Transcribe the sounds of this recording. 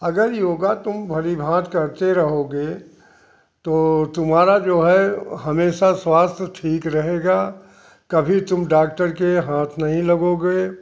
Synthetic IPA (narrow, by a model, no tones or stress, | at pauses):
ɐɡəɾjoːɡat̪ʊmbʱɐɾibʱãːt̪kɐɾt̪eɾɐɦoːɡeː | t̪oːt̪ʊmɦaːɾad͡ʒoːɦɛɦɐmeːʃaswaːst̪ʰjət̪ʰiːkɾɐɦeːɡaː | kɐbʱit̪ʊmɖaːk̚ʈəɾkeɦãːt̪ʰnɐɦĩlɐɡoɡe